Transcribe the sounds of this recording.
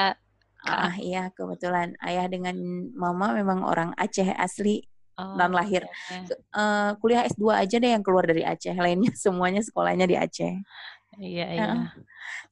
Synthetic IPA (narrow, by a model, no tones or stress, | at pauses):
a̰hiakəbət̪ulana̰jahdəŋanmamamemaŋo̰ɾaŋa̰t͡ʃɛɦa̰sli | danlaɦɪr | əkuliahɛsduaʔːd͡ʒadahjaŋkəluardaɾiʔa̰t͡ʃɛhlainɲasəmuaɲas̬ə̥kola̰hɲadiʔa̰t͡ʃɛh | jaə